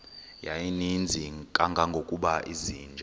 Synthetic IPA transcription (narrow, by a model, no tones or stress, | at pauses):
jajinind͡zʱikʼaŋɡʱaŋɡʱokʼuɓaʔiziːnd͡ʒʱa